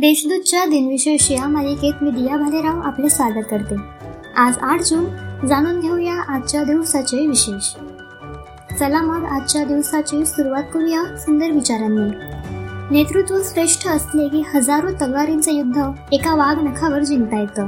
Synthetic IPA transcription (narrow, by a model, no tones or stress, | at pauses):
d̪eɕd̪ud̪̚t͡ɕjad̪inʋiɕeɕijamaliket̪mid̪ijabʱaleɾaʋa̰plesʋaɡət̪̚kəɾt̪e | ad͡zaʈʰd͡zuːnd͡zaɽ̃uːnd̪ʱewjaʔat̪̚t͡ɕjad̪iʋsat͡ɕeʋiɕeɕ | səlaməɽat̪t͡ɕjad̪iʋsat͡ɕesuɾuʋat̪̚kuɽjasund̪əɾʋit͡ɕaɾjanːi | net̪ɾut̪ʋusɾeʂʈʰəəst̪lekihəd͡zaɾũt̪əɡaɾint͡səjud̪ʱːə | ekaʋaɡnəkʰaʋəɾd͡ʑiŋɡt̪ajet̪ə